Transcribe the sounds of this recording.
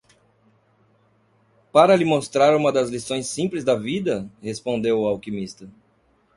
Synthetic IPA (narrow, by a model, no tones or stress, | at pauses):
paɾɐlɪmost̪ɾaɾũmɐd̪ɐzlisõj̃sːĩplɪzd̪ɐvid̪ɐhespõnd̪ewʊawkimist̪ɐ